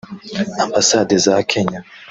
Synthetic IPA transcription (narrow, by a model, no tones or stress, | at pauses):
ambasadizakʰeɲa